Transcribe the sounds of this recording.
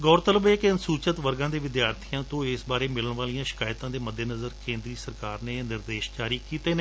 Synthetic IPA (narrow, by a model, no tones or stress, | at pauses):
ɡɔːɾt̪ələbɛːkɪənsuːt͡ʃət̪ʋəɾɡãːd̪eːʋɪd̪jaːɾt̪ʰijãːt̪õːɪsbaːɾeːmɪləɳʋaːlijãːʃɪ̥kaːjt̪ãːd̪eːməd̪ʱːeːnəzəɾkẽːnd̪ɾiːsəɾkaːɾneːnɪɾd̪eːʃd͡ʒaːɾiːkiːt̪eːneː